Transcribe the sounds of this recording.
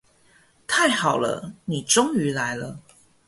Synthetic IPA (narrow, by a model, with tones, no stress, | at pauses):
t̪ʰa˥˩ɪxɑ˨˩ʊlə̰˦ni˨˩ʈ͡ʂʊ˥˦ŋy˨˧˦la˧˦ɪlə˧